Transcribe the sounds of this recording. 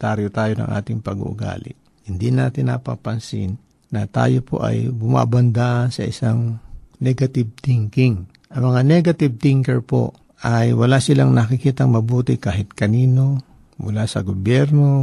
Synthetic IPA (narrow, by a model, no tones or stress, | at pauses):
t̪aɾjot̪aːjonɐ̰ŋʔa̰ːt̪ɪŋpɐɡṵʔʊ̰ɡa̰ːlɪ̰ʔ | hɪnd̪inaːt̪ɪnːa̰ːpɐ̰pɐnsɪ̰n | nɐt̪a̰ːjopʰo̞̰ʔɐ̰jbʊma̰bɐnd̪asɐʔɪsaŋnɛɡɐt̪ɪb̚t̪iŋkɪŋ | ʔɐŋmɐŋanɛɡɐt̪ɪb̚t̪ɪŋkɛɹpo̞̰ | ʔɐjwɐlaʔsɪlaŋnɐkɪkiːt̪ɐŋmɐbuːt̪ɪkaːɦɪt̪̚kɐniːno̞ | mʊlasɐɡobjɛɾno̞